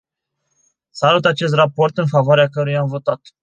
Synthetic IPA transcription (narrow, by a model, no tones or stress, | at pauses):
salut̪at͡ʃe̞s̬t̪rapo̞rt̪ɨnfavoaɾeakəɾujamvo̞t̪at̪